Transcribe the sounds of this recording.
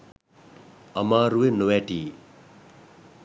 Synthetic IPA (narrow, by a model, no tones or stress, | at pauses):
ɐmaːɾuwenowɛʈi